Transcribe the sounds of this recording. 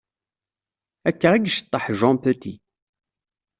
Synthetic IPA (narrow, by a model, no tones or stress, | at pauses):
ækːəʁəɡʃə̥t̪ˤːəħʒɑ̃pøt̪ḭ